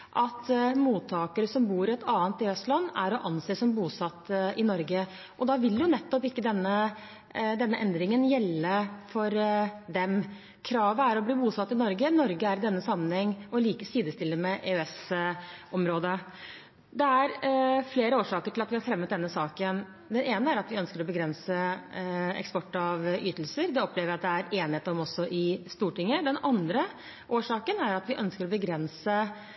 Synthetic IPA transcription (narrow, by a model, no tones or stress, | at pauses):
ʔɑt̪muːt̪ʰːɑːkəɾəsɔmbuːɾɛt̪ːɑːənt̪ɪɛst̪lɑnːæɾɔʔɑnseːsɔmbuːsɑt̪ːɪnɔɾɡə | ʔɔd̪ɑʋɪljʊnɛt̪ːɔpɪkːəd̪ɛnːə | d̪ɛnːəʔɛnd̪ɾɪŋənjɛlːəfɔɾd̪ɛm | kʰɾɑːʋəæɾɔbliːbuːsɑt̪ːɪnɔɾɡənɔɾɡəæɾd̪ɛnːəsɑmːənhɛŋːɔliːkəsiːd̪əst̪ɪlːəmɛʔeːɛs | ʔɔmɾoːd̪ə | d̪ɛæɾfleːɾəoːʂɑːkəʈʰɪlɑt̪ʋɪhɑɾfɾɛmːət̪̚d̪ɛnːəsɑːkən | d̪ɛneːnəæɾɑt̪ʋɪœnskəɾɔbəɡɾɛnsə | ɛ̰kspɔʈːɑʋʔyːt̪əl̩səɾd̪ɛɔpleːʋəɾɑt̪̚d̪ɛæɾeːnɪheːt̪əɔmɔsːɔʔɪst̪uːʈɪŋːəd̪ɛnɑnd̪ɾə | ʔoːʂɑːkənæɾɑt̪ʋɪʔœnskəɾɔbəɡɾɛnsə